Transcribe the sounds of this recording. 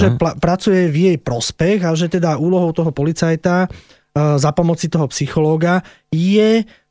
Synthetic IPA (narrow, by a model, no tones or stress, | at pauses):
ʒɛpɾat͡sujɛvjɛjpɾɔspɛɣaʒɛt̪ɛd̪auːlɔɦɔʊt̪ɔɦɔpɔlit͡sajt̪a | zapɔmɔt͡sit̪ɔɦɔpsixɔlɔːɡa | jɛ